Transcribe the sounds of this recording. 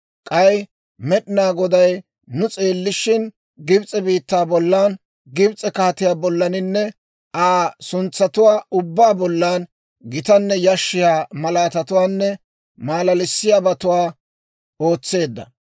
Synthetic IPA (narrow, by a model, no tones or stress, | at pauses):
kʼɐj | mɛɗɪnaːɡɔd̪ɐjː | ʊt͡sʼeːlːɪʃɪn | ɡɪbt͡sʼɛbiːt̪ːaːbɔlːaːn | ɡɪbt͡sʼɛkaːt̪ɪjaːbɔlːɐnɪnːɛ | aːsʊnt͡sːɐt̪ʊwaːʊbːaːbɔlːaːn | ɡɪt̪ɐnːɛjɐʃːɪjaːmɐlaːt̪ɐt̪ʊwaːnːɛ | maːlɐlɪsːɪjaːbɐt̪ʊwaː | o̞ːt͡sːe̞ːd̪ːɐ̰